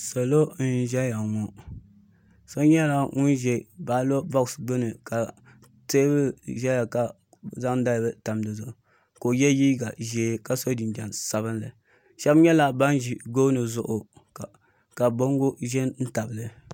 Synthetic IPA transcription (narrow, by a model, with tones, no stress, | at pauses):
so˨lo˦n̩˦ʒɛ˦ja˨ŋɔ˨ | so˦ɲɛ˦la˨ŋu˦nʒɛ˨ba˨˦lo˦bɔ˦ksbɨ˦nɨ˨ka˨ | te˦bɨ˦ʒɛ˦ja˨ka˨ | za˦ŋ˦da˦lbɨ˦ta˨mdɨ˨zʊ˨ʔʊ˨ | ko˨jɛ˦jiː˦ɡa˨ʒeː˨˦ka˨so˦di˨nd͡ʒɛ˨nsa˨βɨ˦nlɨ˨ | ʃɛ˦bɲɛ˦la˨ba˦nʒi˨ɡo˦nɨ˨zʊ˦ʔʊ˨ | ka˨bo˦ŋ˦ɡo˦ʒɛ˦nn̩˦ta˨bɨ˨lɨ˨